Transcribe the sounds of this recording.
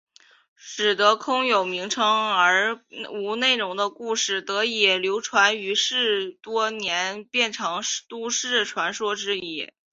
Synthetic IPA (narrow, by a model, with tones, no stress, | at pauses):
ʂɻ̩˨˩d̪ɤ˧˥kʰʊ˥ŋjo˨˩ʊmi˧˥ŋʈ͡ʂʰɤ˥ŋə˞˧˥u˧˥ne˥˩ɪɻʊ˧˥ŋd̪ə˧ku˥˧ʂɻ̩˥˩t̪ɤ˧˥i˨˩ljo˧˥ʊʈ͡ʂʰwa˧˥ny˧˥ʂɻ̩˥˩t̪wɔ˥njɛ˧˥npjɛ˥˩nʈ͡ʂʰɑ˧˥ŋʂt̪u˥ʂɻ̩˥˩ʈ͡ʂʰwa˧˥nʂwɔ˥ʈ͡ʂɻ̩˥˧i˥˩